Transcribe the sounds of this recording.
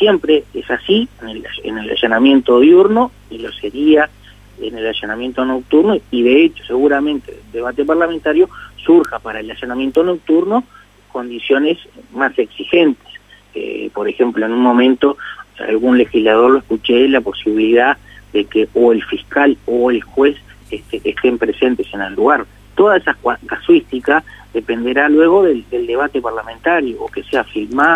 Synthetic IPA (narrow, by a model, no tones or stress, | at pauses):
sje̞mpɾeesasinelḛnela̰ʃanamje̞nt̪o̞ðjuɾno | ilo̞se̞ɾia | ḛnelaʃanamjent̪ono̞k̚t̪uɾnoiðe̞et͡ʃo̞̥se̞ɣuɾamẽ̞nt̪eld̪e̞β̞at̪eparlament̪aɾjo̞suɾxapaɾaelaʃanamje̞nt̪o̞no̞k̚t̪uɾno̞ | ko̞nd̪isjo̞nesmase̞ksixent̪e̥s | po̞ɾe̞xe̞mploenunmõ̞mẽ̞nt̪o̞a̰lɣunle̞xizlað̞o̞ɾloeskut͡ʃelapo̞siβiliðaðekeoelfiskaloelxwe̞s | est̪eːst̪empɾe̞se̞nt̪e̞se̞nelːuɣaɾ | t̪o̞ðaesakaswist̪ikaðe̞pe̞nd̪e̞ɾalwe̞ɣ̞o̞ðeld̪e̞ld̪e̞βat̪epaɾlamẽnt̪aɾjoːkeseafiɾma